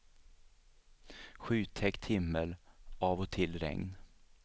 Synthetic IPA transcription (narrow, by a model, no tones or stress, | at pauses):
ɧʉːt̪ʰɛkt̪hɪmːəlʔɑːvɔt̪ʰɪlːɾɛ̰ŋn